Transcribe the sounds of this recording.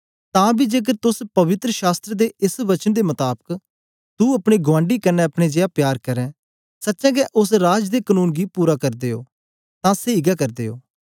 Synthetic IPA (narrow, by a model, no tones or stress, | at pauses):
t̪ãːbiːd͡ʒeːk̬əɾt̪ʊspɐʋɪt̪ɾəʃaːst̪ɾəd̪eɪsʋət͡ʃənd̪eːmət̪aːbək | t̪uːɐpɽ̃iːɡʊʋãːɳɖiːkənɛɐpɽ̃eːd͡ʒeːaːpjaːɾkəɾɛ̃ː | sətːʃɛ̃ːɡɛʔʊsɾaːd͡ʒd̪eːkənuːnɡiːpuːɾakɐɾd̪eːo̰ː | t̪ãːseiɡaːkɐɾd̪eːo̰ː